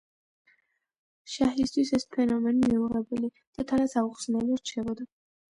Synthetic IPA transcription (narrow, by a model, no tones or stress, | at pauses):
ʃaɦist̪ʰwisɛspʰɛnɔmɛnimiuʁɛbɛli | d̪̥at̪ʰanat̪sauχsnɛlˠɔɾt͡ʃʰɛbɔd̪a